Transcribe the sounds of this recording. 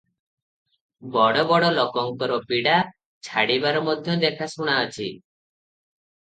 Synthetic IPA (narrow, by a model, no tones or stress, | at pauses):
bɔɽɔbɔɽɔlokɔŋkɔɾɔpiɽa | t͡ʃʰaɽibaɾɔmɔd̪ʱjɔd̪ekʰasuɽ̃aɔt͡ʃʰḭ